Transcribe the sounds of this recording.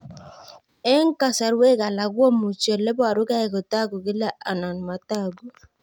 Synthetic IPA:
e˦ŋ̩˦ka˦sa˨ɾwe˦ka˨la˨ɡwo˦mu˨t͡ʃo˨le˦bɔ˦a˨ɾʊ˦ka˦ɛ˨ko˨ta˦˨ɡo˨ɡɪ˦la˦ʔa˨na˨n˨ma˨ta˦˨ɡu˦

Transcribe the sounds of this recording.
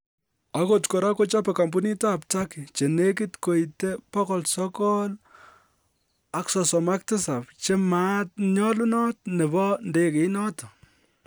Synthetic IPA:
a˦kotkɔ˨ɾa˦ko˦t͡ʃa˦pɛ˨ka˨mbu˦ni˦taː˦pta˦ki˨t͡ʃe˨ne˦ki˦tko˨ite˦pɔ˦kɔ˨lsɔ˦kɔl | a˦ksɔ˨sɔ˨ma˦k̚tɪ˦sa˨pt͡ʃe˦ma˦t̚ɲɔ˦lu˦nɔ˦tne˨bɔ˦nde˦ke˨inɔ˦tɔ˨

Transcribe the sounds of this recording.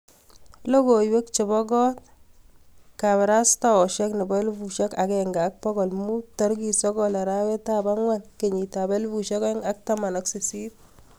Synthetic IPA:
lo˦ko˨jwe˦k̚t͡ʃe˨bɔ˦ɡɔ˦t̚ | ka˨βa˨ɾa˦sta˨wɔ˨ʃɛ˦knɪ˨balbuʃɛ˦ka˨kɛŋɡa˦k̚pɔ˦ɡɔ˨lmu˦tɔ˦ɾɡi˨sɔ˦ɡɔla˨ɾawɛ˦ta˦ba˦ŋwa˦nke˨ɲi˨ta˨be˦lbu˨ʃe˦ke˦ŋa˦k̚ta˦ma˨nɔ˦ksi˨si˦t̚

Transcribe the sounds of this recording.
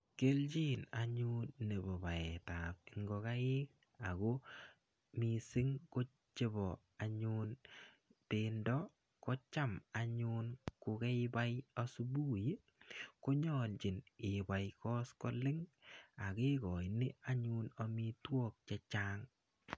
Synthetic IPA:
ke˦lt͡ʃi˦na̰˨ɲu˦nːe˨bɔ˨ba˨ɛ˨ta˨p̚ɪ˨ŋɡɔ˧ka˦ɪ˦k | a˨ko˦ | mi˦sɪ˦ŋko˦ | t͡ʃe˦bɔ˨ | aɲun | pendɔ˦ | kɔ˦t͡ʃa˦ma˨ɲu˦nkʊ˧kɛ˦ɪba˦ja˦su˦bu˦ji˦ | ko˦ɲɔ˨lt͡ʃɪ˨nɪ˨ba˨jkɔ˦skɔ˦lɪ˦ŋa˨kɪ˦ɡɔ˨inɪ˦a˦ɲu˦na˨mi˦twɔ˦k̚t͡ʃɛ˦t͡ʃa˦ŋ

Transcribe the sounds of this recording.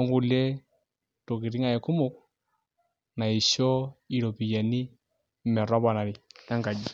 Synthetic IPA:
ɔ˦ŋɡu˨le˦ | to˨ki˨ɾi˦ŋa˦˨ɛ˨ku˦mʊ˦k̚ | na˨i˨ʃɔ˦i˨ɾo˨pi˨ja˨ni˦ | mɛ˨ɾɔ˦ba˨na˨ɾi˨na˦ŋɡa˨d͡ʒi˨

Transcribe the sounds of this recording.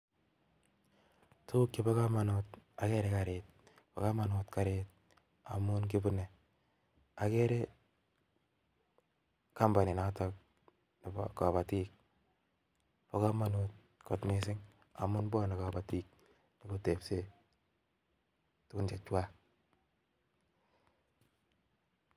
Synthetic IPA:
tʰu˦kji˦ba˦ka˦ma˨not̚a˨kɛ˦ɾe˦ka˨ɾet̚ | po̰˨ka˦ma˨no˨tka˨ɾet̚ | a̰˨mʊ˦nk̬ɪ˦bʊ˦ne˨ | a˨kɛ˦ɾe˦ | ka˦mba˨ni˨natɔ˦k̚ | ni˨b̰ka˨βa˨ti˦k̚ | po˦ka˦ma˦not̚ | ko˨tme˨sɪ˦ŋ | a̰˨mʊ˦nbɔ˦na˨ka˨ba˨tiːk̚ | ni˨bo˦te˨pse˦ | tʊ˦ku˦nt͡ʃe˨t͡ʃwa˦

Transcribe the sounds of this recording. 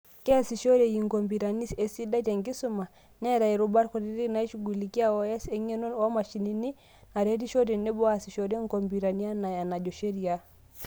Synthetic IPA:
kɛ˦˨si˨ʃo˦ɾe˨ji˨ŋɡo˨mbi˨ɾa˨ni˦se˨si˦da˦t͡ʃɛ˨ŋɡi˦su˦ma˨ | nɛ˦ɾa˨i˨ɾu˨ba˦ɾko˨ɾi˦ɾi˦na˨˦i˦ʃu˨ɡu˨li˨ki˦a˦˨wɔ˦ɛ˦sɛ˦ɲɛ˦no˦nwa˦ma˨ʃi˨ni˦ni˦ | na˨ɾe˦ɾi˦ʃɔ˦ɾe˨ne˦bɔ˦a˦si˨ʃɔ˨ɾe˦ŋ˦ɡo˨mbi˨ɾa˨ni˦a˦na˨ja˨na˨d͡ʒɔ˨ʃe˦ɾi˨a˦

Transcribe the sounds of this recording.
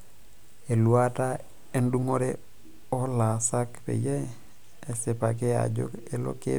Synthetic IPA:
e˨lua˦ta˦ | e˦ndu˦ŋo˦ɾe | o˦la˨sa˦kpḛ˨jeː˦˨ | se˨pa˨k̬e˦a̰ɟo̰˦ke˨lo̰˦kḛ˦

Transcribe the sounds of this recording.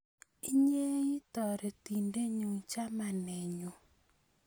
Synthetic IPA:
i˦ɲe˦i˦tɔ˨ɾɛ˨ti˨nde˦ɲu˨ŋ˨t͡ʃa˦ma˨nɛ˨ɲo˨

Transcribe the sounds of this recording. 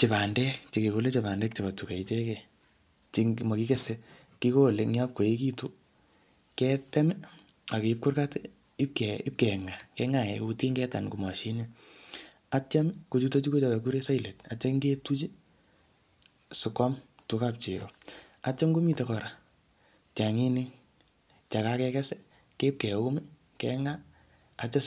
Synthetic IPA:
t͡ʃɪ˨pa˨ndɛ˦kt͡ʃi˨ke˨ko˨le˦t͡ʃe˨βa˨ndɛ˦k̚t͡ʃi˨ba˨tu˨ka˨i˦t͡ʃe˦ke˨ | t͡ʃi˨ŋmo˨ki˦ke˦se˦ | ki˦ko˦le˨ŋa˦p̚ko˨je˦ki˦tu˦ | kɛ˦tɛ˦m˦ | a˨ke˨ɪ˦p̚kʊ˦rka˦t | ɪ˦p̚kɛɪ˦p̚kɛ˨ŋa˨kɛ˦ŋa˨jɛ˨uti˦ŋɡɛ˦ta̰˨nku˨ma˨ʃi˦ne˦ | a˦t͡ʃa˦mku˨t͡ʃu˦to˦t͡ʃu˦ko˦t͡ʃɔ˨ke˨k̬u˦ɾe˦sa˦i˨le˨ta˨t͡ʃa˦ŋɡe˦tu˦t͡ʃi˦ | sʊ˨kɔ˦m | tu˦ka˦p̚t͡ʃḭ˨kɔ˨ | at͡ʃa˦mku˦mi˦˨tɛ˨kɔ˨ɾa˨ | t͡ʃa˨ŋi˦nɪ˦ŋ | t͡ʃa˨ka˦kɛ˧kɛ˦sɛ˦ | ke˦p̚kɛ˨u˦mi˦ | kɛ˦ŋa˦ | a˨t͡ʃɛ˦

